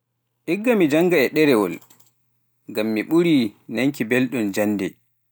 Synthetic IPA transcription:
ʔiɡːamid͡ʒaŋɡaɛɗɛɾɛwɔ̰l | ŋɡamːiɓuɾinaŋkibɛlɗɔnd͡ʒanːdɛ

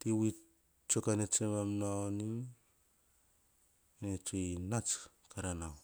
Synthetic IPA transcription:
tiwi | t͡ʃokanet͡ʃemamnoaoni | net͡ʃojnat͡ʃ | kaɾanaw

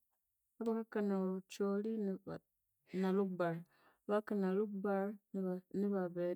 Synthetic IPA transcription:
abakakanaɾut͡ʃoɾi | nalukbaɾ | bakanalukbaɾnibabɛ

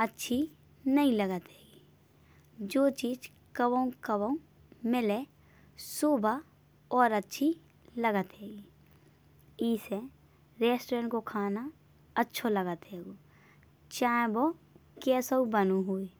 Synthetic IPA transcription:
ətːʃʰi | nəɦĩləɡət̪ɦɛːɡi | d͡ʒoːt͡ʃiːd͡ʒ | kəwəũkəwəũ | mɪle | suːbʱa | ɔːɾətːʃʰi | ləɡət̪ɦɛːɡiː | iːse | ɾeːsʈɾẽɳʈkokʰaːna | ətːʃʰoləɡət̪ɦeːɡoː | t͡ʃãːbo | kɛːsobənuɦuːi

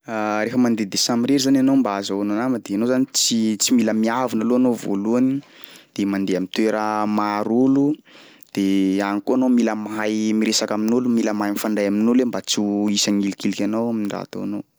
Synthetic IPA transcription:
aɾefəmand̪ed̪esamiɾeɾizananombaazaonanaməd̪eanozanit͡sit͡similəmiavinaloanovo̰luanid̪̥emand̪eamint̪weɾəmaɾulu | d̪̥eanikoanomiləmajmiɾesakaminulumiləmajnfaɳɖ͡ʐajaminulembat͡suisaŋilikilikʲanowamiɖ͡ʐa̰t̪o̰anow

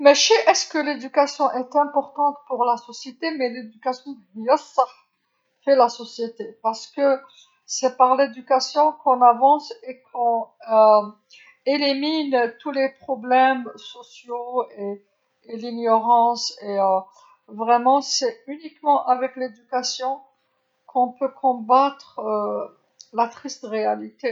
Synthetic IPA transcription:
mɛʃɛʔɛskəled̪ykasjɔ̃ʔɛt̪ɛ̃pɔʁt̪ɑ̃t̪puʁlasɔsjet̪emɛled̪ykasjɔ̃d̪jɔsaʁ | fɛlasɔsjet̪epaʁsə̥kə | sɛpaʁled̪ykasjɔ̃kɔ̃navɑ̃sekʰɔ̃ø | elimint̪ulepχɔblɛmsɔsjoeː | liɲjɔʁɑ̃seø | vʁɛmɑ̃sɛynikmɑ̃ʔavɛkled̪ykasjɔ̃ | kʰɔ̃pøkʰɔ̃bat̪χ | lat̪χist̪ʁealit̪e

